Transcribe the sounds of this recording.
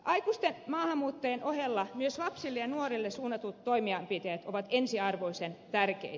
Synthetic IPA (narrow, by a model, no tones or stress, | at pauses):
ʔɑikust̪enmɑːhɑmːuːt̪ːɑjenʔohelːɑmyøslɑpsilːejɑnuorilːesuːnɑt̪ut̪toimiɑmpit̪eæt̪oʋɑt̪ensiɑrʋoisent̪ærkḛit̪